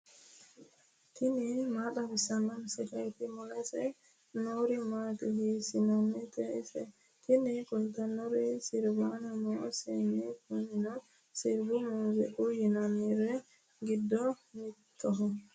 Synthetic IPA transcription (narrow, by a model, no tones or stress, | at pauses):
t̪ʰinimaɗabisanansidat̪imɔlasɛ | nɔɾimatihisinanːit̪ɛisɛ̰ | t̪inikult̪anɔɾisiɾbanamɔsɛnikunina | siɾbumɔzɛʔujinamiɾɛ | ɡidːɔmit̪ːɔɦɔ